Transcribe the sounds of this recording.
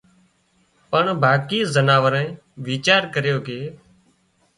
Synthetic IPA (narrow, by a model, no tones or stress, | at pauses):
pəɳbʱaːkiːzənaːʋəɾãĩː | ʋiːt͡ʃaːɾkəɾjoːkeː